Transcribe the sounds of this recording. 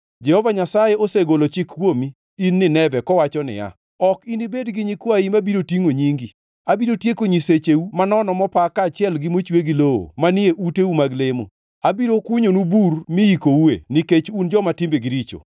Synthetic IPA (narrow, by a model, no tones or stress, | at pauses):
d͡ʒɛhɔvaɲasajeoseɡolot͡ʃɪkːwomiː | nːɪnɛvɛkɔwat͡ʃɔnɪ̰ja̰ | ɔkinibedɡɪɲikwaimabiɾotiŋoɲiŋɡi | abiɾotjekoɲiset͡ʃeumanɔnɔmɔpakat͡ʃɪɛlɡɪmot͡ʃweɡiloo̰manɪeʔuteumaɡlemo̰ | abiɾokʊɲonuburmɪikouḛniket͡ʃund͡ʒɔmatɪmbeɡɪɾit͡ʃo̰